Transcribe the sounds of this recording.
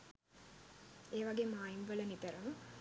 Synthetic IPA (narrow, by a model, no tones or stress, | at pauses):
eːʋaɡeːmaːinʋələnipeɾəmə